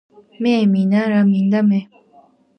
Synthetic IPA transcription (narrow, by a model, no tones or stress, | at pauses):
meːminaɾamind̪ameʔ